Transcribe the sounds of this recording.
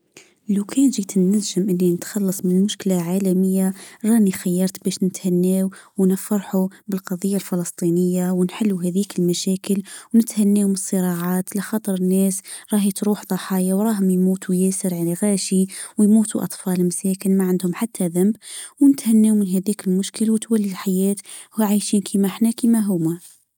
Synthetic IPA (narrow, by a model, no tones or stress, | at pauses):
lawkʰæːnʒit̪ɪnːælʒɪmʔɪnːinɪt̪xɑlːɑsˤmɪnlmʊʃkɪlaʕaːlaməjːaɾˤɑːnixajːɑɾˤt̪bæːʃnɪt̪hænːeːwwnɪfːɑɾˤħubɪlqɑðˤɨjːalfɪlɑst̪ˤiːnəjːawnħɪlːuɦæðiːkɪlmæʃæːkəlwnɪt̪hanːeːwmsˤːɨɾˤɑʕɑːt̪laxɑːt̪ˤɑɾˤənːæːsɾˤɑːhit̪ɾuːħðˤɑħɑːjawɾˤɑːɦʊmjmuːt̪ujæːsɪɾʕalaɣæːʃiwjmuːt̪uʔɑ̰t̪ˤfɑːlmsæːkɪnmaʕand̪hʊmħat̪ʰːaðambwnɪt̪hanːeːwmɪnɦæðiːkɪlmʊʃkɪlwt̪walːilħajæːt̪hʕajʃiːnkʰiːmaħnakiːmaɦʊma